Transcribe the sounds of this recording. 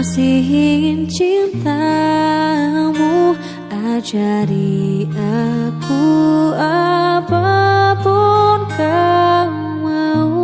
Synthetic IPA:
siɦint͡ʃint̪a | mu | ʔad͡ʒaɾiʔakuapəpunka | məu

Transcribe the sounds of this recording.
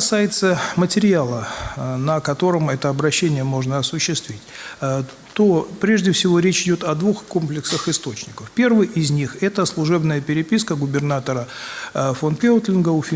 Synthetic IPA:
sajɪt̪səmətʲɪɾʲɪalˠənəkɐt̪o̞ɾəmɛt̪əɐbɾɐɕːenʲɪjəmo̞ʐnəɐsʊɕːɪst̪vʲitʲ | t̪opɾʲeʐdʲɪfsʲɪvo̞ɾʲet͡ɕɪdʲo̞t̪ɐd̪vuxko̞mplʲɪksəxɨɪst̪o̞t͡ɕnʲɪkəfpʲe̞rvɨjʔɪzʲnʲixɛt̪əslˠʊʐɛbnəjəpʲɪɾʲɪpʲiskəɡʊbʲɪrnat̪əɾə | fonpʲeʊt̪lʲɪnɡəufʲ

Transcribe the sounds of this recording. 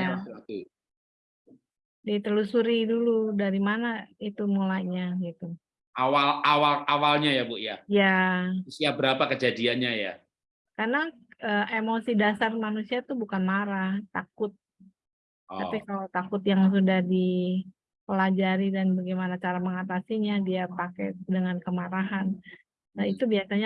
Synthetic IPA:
a | dit̪əlusuɾiduludaɾimanait̪umulaɲaɡit̪u | awalawalawalɲajabuʔja̰jasiabəɾapakəd͡ʒadianɲaja̰ | karna | əʔemosidasarmanusiat̪ubukanmaɾaht̪akʊt̪̚ | apikalot̪akʊt̪̚jaŋsudahdi | pəlad͡ʒaɾidanbaɡimanat͡ʃaɾaməŋat̪asiɲadiapakɛ̰dəŋankəmaɾaɦanː | ait̪ubiasaɲa

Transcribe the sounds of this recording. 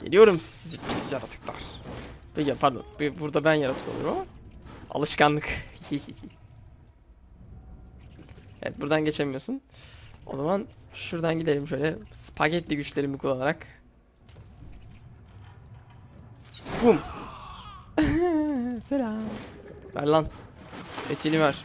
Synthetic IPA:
ɟelʲijo̞ɾumssizipʰisjaɾa̰t̪ʰɯ̥kva̰ɾ̥pʰecipʰaɾd̪o̰nbbuɾd̪abænjaɾat̪ʰɯ̥kʰoṵɾumamaa̰lˠɯʃkanlˠɯkhihihihi | ḛvɛ̰t̪̚buɾd̪anɟe̞t͡ʃʰemijo̞suno̞̰zamanʃuɾd̪anɟid̪e̞ɾimʃø̞jlʲɛspʰacɛt̪lʲiɟyt͡ʃlʲe̞ɾimikʰulˠalˠaɾak | bum | selaː | fæ̰ɾlˠan | et̪ʰinivaɾ̥

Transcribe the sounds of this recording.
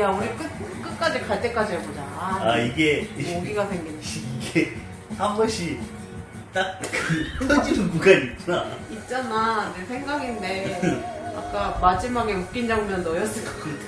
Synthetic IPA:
jaunɯɭk͈ɯɯk͈ɯk͈ad͡ʑikaɭt͈e̞k͈ad͡ʑieɡod͡ʑaaiɡe̞oɡiɡasʰeŋɡiniɡe | haŋɡʌɕʰi | t͈ak̚kkʰʌd͡ʑinuɡuɡait̚t͡ɕ͈anait̚t͡ɕ͈ananesʰeŋɡaɡinde̞ | a̰k͈amad͡ʑimaɡeuk͈ind͡ʑaŋmjʌnːʌjʌs͈ɯɭk͈a

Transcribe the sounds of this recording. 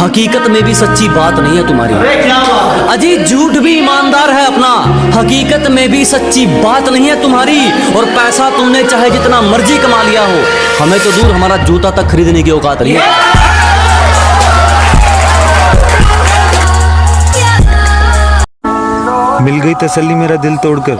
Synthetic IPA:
ɦɐkiːkət̪mẽbʱisɐtːʃʰibaːt̪nɐɦĩɦɛt̪ʊmɦa̰ːɾḭːka | ɐd͡ʒiːd͡ʒʱuːʈbʱiɪmaːnd̪aːɾɦɛɐpna | hɐkiːkət̪mẽbʱisɐtːʃibaːt̪nɐɦĩɦɛt̪ʊmɦaːɾi | ɔːɾpɛːsat̪ʊmnẽt͡ʃaːɦed͡ʒɪt̪namɐɾd͡ʒikɐmalijaɦoː | hɐmẽt̪od̪uːɾɦɐmaːɾad͡ʒʱuːt̪at̪ɐkʰːɐɾiːd̪nekiɔːqaːt̪nɐɦĩɦɛ | mɪlɡəit̪ɐsəlːimeːɾad̪ɪlt̪oːɽkəɾ

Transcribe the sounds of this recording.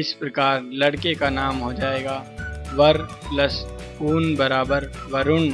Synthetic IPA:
ɪspɾɐkaːɾlɐɽkekanaːmɦod͡ʒaːeːɡaː | ʋɐɾ | lɐs | kuːnbɐɾaːbəɾʋɐɾʊn

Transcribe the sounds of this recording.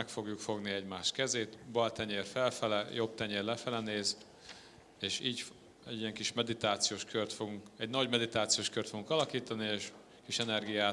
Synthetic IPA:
mɛkfo̞ɡjukfo̞ɡniɛɟmaːʃt̪kɛzeːt̪bɒlt̪ɛɲeːrfɛlfɛlɛjo̞p̚t̪ɛɲeːrlɛfɛlɛneːz | eːʃiːɟ | ɛɟijɛŋkiʃmɛd̪it̪aːt̪sijoːʃkørt̪fo̞ɡuŋkɛɟnɒɟmɛd̪it̪aːt̪sijoːʃkørt̪foɡuŋkɒlɒkiːt̪ɒnieːʃ | kiʃɛnɛrɡijaːt

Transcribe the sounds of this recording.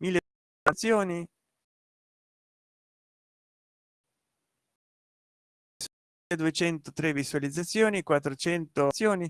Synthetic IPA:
milːe | at̪sːjoːni | s | ed̪uet͡ʃɛnt̪ot̪ɾevisualid̪zat̪sːjoːnikwat̪ːɾot͡ʃɛnt̪osːjoːni

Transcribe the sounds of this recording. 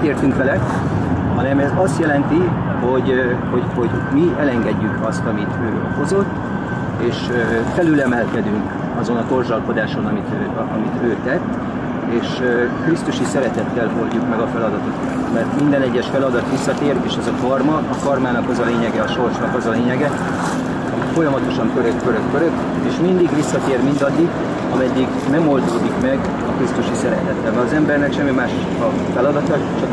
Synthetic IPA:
t̪eːrt̪yŋkʋɛlɛ | hɒnɛmɛzɒst̪jɛlɛnt̪i | ho̞ɟho̞ɟho̞ɟmiɛlɛŋɡɛɟːykɒst̪ɒmit̪ʰøː | ho̞zo̞t̪ː | eːʃøfɛlylɛmɛlkɛd̪yŋk | ɒzo̞nɒko̞rzɒlko̞d̪aːʃo̞nɒmit̪ː | ɒmit̪øːt̪ɛt̪ː | eːʃøkrist̪uʃisɛɾɛt̪ɛt̪ːɛlɦorɟukmɛɡɒfɛlɒd̪ɒt̪okɒt̪tmɛrt̪mind̪ɛnɛɟːɛʃfɛlɒd̪ɒt̪ʋisːɒt̪eːreːʃɛzɒkɒrmɒɒkɒrmaːnɒkɒzɒleːɲɛɡɛɒʃo̞rt͡ʃnɒkɒzɒleːɲɛɡɛ | ɒicfo̞jɒmɒt̪o̞ʃɒmkøɾøkːøɾøkːøɾøk | eːʃmind̪iɡʋisːɒt̪eːrmind̪ɒd̪ːiɡ | ɒmɛd̪ːiɡ | mɛmo̞ld̪oːd̪ikmɛɡ | ɒkrist̪uʃisɛɾɛt̪ɛt̪ːɛlmɛɒzɛmbɛrnɛkʃɛmːimaːʃ | ɒ | fɛlɒd̪ɒt̪ɒ | t͡ʃɒk

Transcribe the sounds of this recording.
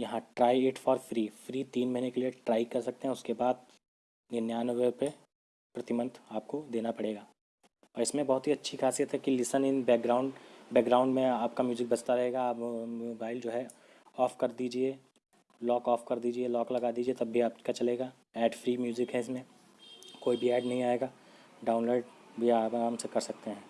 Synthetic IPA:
jɐɦãʈɾaːieːʈfɔːɾfɾiːfɾiːt̪iːnmɐɦinekelieʈɾaːɪkɐɾsɐk̚t̪ẽɦɛ̃ʊskebaːd̪̚ | nɪnjaːnʋepe | pɾɐt̪ɪmə̃nd̪aːp̚kod̪eːnapɐɽeːɡaː | ɔːɾɪsmẽbɐɦʊt̪ɦiɐtːʃʰixaːsijət̪ɦɛkilɪsənɪnbɛːɡɾãːʊ̃ɳɖbɛːɡɾaːʊ̃ɳɖmẽaːp̚kamjuːzɪk̚bɐt͡ʃt̪aɾɐɦeːɡaːpjuːbaːɪld͡ʒoːɦɛ | ɔːfkɐɾd̪iːd͡ʒie | lɔːkɔːfkɐɾd̪iːd͡ʒielɔːklɐɡaːd̪iːd͡ʒiet̪ɐbʱiaːpkat͡ʃɐleːɡaː | ɛːɖfɾiːmjuːzɪkɦɛɪsmẽ | koːibʱiɛːɖnɐɦĩaːeːɡaː | ɖaːʊ̃nloːɖbʱiaːmsekɐɾsɐk̚t̪eɦɛ̃ː

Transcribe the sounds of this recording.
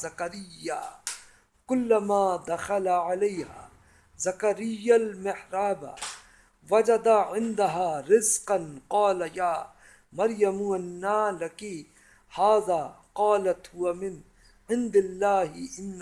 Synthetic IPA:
ɐkɐɾɪjːa | kʊlːamaːd̪ɐxɐlaʕaleːha̰ː | zɐkɐɾɪjːalmɪħɾaːba̰ | wɐd͡ʒɐd̪aʕɪnd̪aɦaːɾɪzqɐnqɑːlajaː | mɐɾjɐmuɐnːaːlɐki | haːzaːqɑːlɐt̪hʊwamɪn | ʕɪnd̪ɪlːaːɦɪʔɪnː

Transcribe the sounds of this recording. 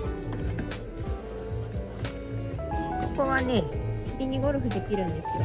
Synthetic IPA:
okoβaneipʲiɲ̟iɡoɾɯ̟ɸɯ̟d̪e̞kʲiɾɯ̟̃nd̪e̞sɨjo

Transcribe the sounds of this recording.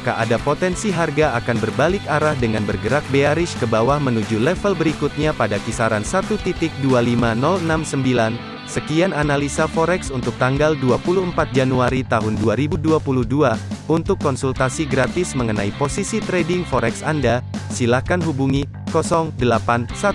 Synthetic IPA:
kaʔadapot̪ɛnsiɦarɡaakanbərbalɪkaɾahdəŋanbərɡəɾak̚beaɾɪskəbawahmənud͡ʒulɛfəlbəɾikut̪̚ɲapadakisaɾansat̪ut̪it̪ɪk̚dualimanɔlənamsəmbilan | səkiananalisafɔɾɛksunt̪ʊk̚t̪aŋɡalduapuluəmpat̪̚d͡ʒanuaɾit̪aɦʊnduaɾibuduapuluhduaunt̪ʊkːɔnsult̪asiɡɾat̪ɪsməŋənaiposisit̪ɾɛdɪŋfɔɾɛksandasilakanɦubuŋi | kɔsɔŋdəlapansat̪

